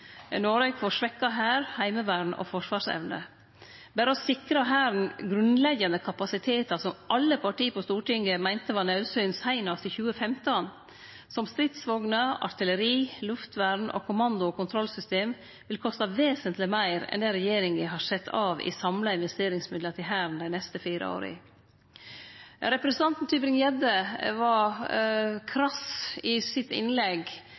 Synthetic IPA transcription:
noːɾɛːkfɔʂʋɛkːɑɦæːɾhæɪməʋæːɳ̩ʔo̰fɔʂʋɑːʂɛ̰ʋnə̰ | bæːɾəɔsɪkɾɑɦæːɾnɡɾʉnlɛɡənəkʰɑpɑsɪt̪ʰeːt̪ɑsɔmʔɑlːəpʰɑʈiːpʰɔst̪uːʈɪŋɡəmæɪnt̪əʋɑːnɛʉsœːnshæɪnɑst̪ɪçʉːəfɛmt̪ən | sɔmst̪ɾɪt̪sʋoːɡnəɑ̰ɾt̪ɪləɾiːlʉft̪ʋæɾɳʔo̰kʰʊmɑnd̪ʊoːkʰʊnt̪ʰɾɔlsʏst̪eːm | ʋɪlkʰɔst̪ɑʋeːsənt̪lɪmæɪɾɛ̰nd̪ɛɾɛjeːɾɪŋʋɪɦɑʂɛt̪ʰːɑːʋɪ̰sɑmlɑɪnʋɛst̪eːɾɪŋsmɪd̪ət̪ɪɦæːɾnd̪æɪnɛst̪əfiːɾə̰o̰ːɾɪ̰ | ɾɛpɾɛsnʰɑnt̪n̩t̪ʰybɾɪŋjɛd̪əʋɑ | kʰɾɑsɪsɪt̪ɪ̰nlɛɡ

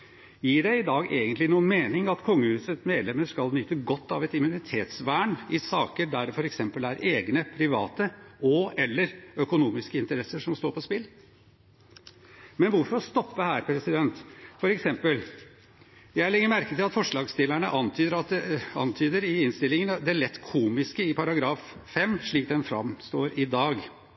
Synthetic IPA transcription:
jiːɖɛɪɪd̪ɑːɡeːɡənt̪lɪnuːənmeːnɪŋɑt̪kʰɔŋːəhʉːsət̪meːd̪lɛməʂkɑlnʏt̪ːəɡɔt̪ːɑ̰ʋɛt̪ɪmʉnɪt̪ʰeːt̪sʋæːɳɪsɑːkəɖ̪æɖɛfɔɾɛksɛmpəlæɾeːɡnəpʰɾɪʋɑ̰ːt̪əɔɛlːəɾœkʊnuːmɪskəɪnt̪əɾɛsːəʂɔmst̪oːɾpʰɔspɪlː | mɛnʋʊɾfɔɾɔst̪ɔpːəhæːɾpʰɾɛsɪd̪ɛnt̪fɔɾɛksɛmpəl | jæɪlɪŋːəɾmæɾkət̪ɪlɑt̪fɔʂɭɑːɡst̪ɪlːæɳəʔɑnt̪ʰyːd̪əɾɑt̪ɛɑ̰nt̪ʰyːd̪əɾɪɪnst̪ɪlːɪŋənd̪ɛlɛt̪ːkʰuːmɪskəɪpʰɑɾɑɡɾɑːffɛmːʂɭiːk̚d̪ɛnfɾɑ̰mst̪oːɾɪd̪ɑːɡ

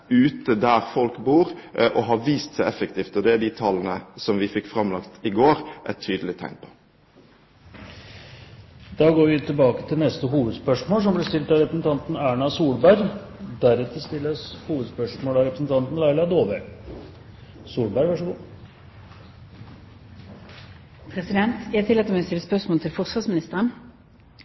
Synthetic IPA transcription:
ʉːt̪əd̪æɾfɔlkbuːɾʔɔɦɑʋiːst̪sæɪɛfəkt̪iːft̪ɔd̪ɛæɖit̪ʰɑlːn̩əsɔmʋɪfɪkːfɾɑmlɑkt̪ɪɡoːɾʔɛ̰t̪ʰyːd̪əlɪt̪ʰæ̰ŋpʰo̥ː | d̪̥ɑːɡoːɾʋɪt̪ʰɪlbɑːkə̥t̪ʰɪlnɛst̪əɦuːʋəd̪spœʂmoːls̬ɔmblɛst̪ɪlt̪ɑɾɛpɾəsn̩t̪ʰɑnt̪n̩æːɳɑsuːlbæɾd̪æɾɛt̪ʰəst̪ɪlːəshuːʋəd̪spœʂmoːlɑɾɛpɾəsn̩t̪ʰɑnt̪n̩læɪlɑd̪oːʋə | suːlbæɾʋæʂəɡuː | pʰʁɛsɪd̪ɛnt̪æt̪ɪlɛt̪əmɛst̪ɪlːəspœʁsmoːlt̪ʰɪlfɔʁsʋɑsmɪnɪst̪əʁən

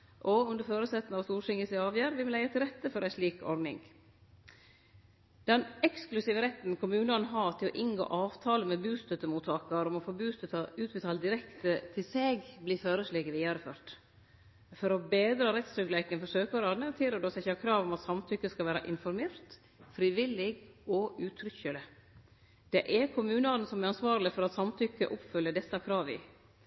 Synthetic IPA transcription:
ʔɔʉnd̪əɾføːɾəsɛt̪ːnɑʋst̪uːɾʂɪŋəsɪɑːʋjæːɾʋɪmɔlæɪɑt̪ʰɪlɾɛt̪ːəfɔɾæɪʂliːkʰɔ̰ɾd̪nɪ̰ŋ | d̪ɛnɛksklʉsiːʋəɾɛt̪ːn̩kʰʊmʉːnɑnɦɑt̪ʰɪlɔ̰ʔɪŋɡo̰ːʔɑːʋt̪ʰɑːləmɛbʉːst̪œt̪ːəmuːt̪ʰɑːkɑɾɔmɔfoːbʉːst̪ət̪ɑʉːt̪̚bət̪ʰɑːld̪ɪɾɛkt̪ət̪ʰɪlseːɡbliːføːɾəsleːɡəʋiːɑɾəføːɾʈ | fɔɾɔbeːd̪ɾɑɾɛt̪sɾʏɡlæɪkənfɔʂøːkɔɾɑːd̪nət̪ʰiːɾəɖosɛɪçəhɑːkʰɾɑːʋɔmɑt̪sɑmt̪ʰʏkːəskɑlʋæːɾɑ̰ʔɪnfɔɾmeːɾt̪ | fɾiːʋɪlːɪɡɔʉːt̪ʰɾʏçəlɪ | d̪̥ɛʔɛkʰʊmʉːnəɑd̪n̩sɔmɛɾɑnsʋɑːɾlɪfɔɾɑt̪sɑmt̪ʰʏkːə̰ʔɔpfʏlːədɛsːɑkʰɾɑːʋɪ̰

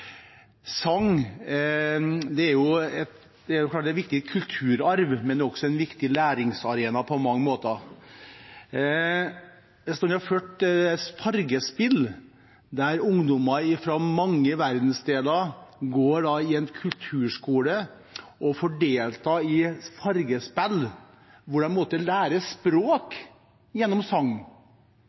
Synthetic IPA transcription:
sɑŋ | d̪ɛæɾjʊɛt̪ | d̪̥ɛæɾʊkʰlɑːɛʋɪk̚t̪ɪkʰʉlt̪ʰʉːɾɑɾʋmɛnɛɔksɔɛnʋɪkt̪ɪlæːɾɪŋsɑɾeːnɑpʰɔmɑŋːəmoːt̪ə | ɛst̪oːnɛhɑføːʈspʰɑɾɡəspɪl | d̪æɾʊŋd̪ɔmɑɾɪfɾɔmɑŋːəʋæɾd̪n̩sd̪eːlɑɾɡoːɖɑɪɛnkʰʉlt̪ʰʉːʂkuːlə | ʔɔfɔɖeːlt̪ɑɪfɑɾɡəspɛl | ʋʊɖɛnmɔt̪əlæːɾəspɾoːk | jɛnːɔmsɑŋn

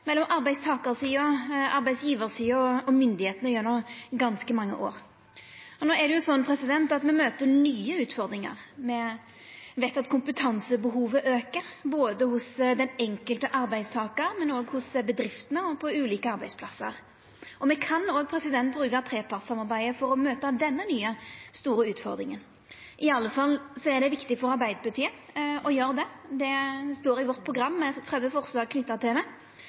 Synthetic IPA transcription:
mɛlːɔmʔɑɾbæɪst̪ʰɑːkəɾsiːɔɑɾbæɪsjiːʋəɾsiːɔɔmʏnd̪ɪheːt̪nəjɛnɔmɡɑnskəmɑŋːə̰ʔo̰ːɾ | ɔnoːɛɖ̪ɛjʊsɔnːpʰɾɛsɪd̪ɛnt̪ɑt̪mɛmøːt̪ənyːəʉːt̪fɔɾd̪ɾɪŋə̰ʁmɛ | ʋæt̪ɑt̪kʰʊmpət̪ʰɑnsəbəɦuːʋəʔøːkəɾboːd̪əhʊsd̪ɛnɛŋkəlt̪əʔɑɾbæɪst̪ʰɑːkəɾmɛnoːɡhʊsbəd̪ɾɪft̪ənəɔpʰɔʉːliːkəɑɾbæɪspʰlɑsːə̰ɾ | ɔmɛkʰɑnoːɡ̚pʰɾɛsɪd̪ɛnt̪bɾʉːkɑt̪ʰɾeːpʰɑʁt̪sɑmɑɾbæɪəfɔɾɔmøːt̪ɑd̪ɛnːənyːəst̪uːɾəʉːt̪fɔ̰ɾd̪ɾɪŋən | ʔɪɑlːəfɑlsɔɛʁɖ̪ɛʋɪkt̪ɪfɔɾɑɾbæɪd̪əpɑt̪ʰiːə | ɔjøːɾd̪ɛd̪ɛst̪oːɾɪʋɔʁt̪̚pʰɾʊɡɾɑmːɛfʁɛmːəfɔɾslɑːɡkʰnʏt̪ːəʁt̪ʰɪld̪ɛ

